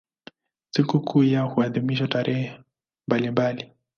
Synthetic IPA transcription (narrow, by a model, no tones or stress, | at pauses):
sikukʰujahuaðimiʃ̬wataɾɛɦɛ | mbalimbali